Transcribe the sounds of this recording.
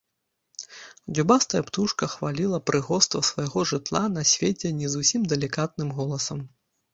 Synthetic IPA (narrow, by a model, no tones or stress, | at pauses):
d͡zʲubast̪ɐjɐpt̪uʂkɐxvalʲilˠɐpɾʔɨɣɔst̪vɐsvɐjɣɔʐɨt̪lˠanɐsʲvʲet͡sʲɛnʲɛzusʲimd̪ɛlʲikat̪̚nɨmɣɔlˠɐsɐm